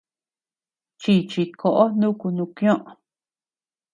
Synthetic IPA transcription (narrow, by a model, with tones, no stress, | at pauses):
t͡ʃi˧t͡ʃi˧kʰo˨˧ʔo˦nũ˦ku˧nũ˧kj̃õ˦ʔ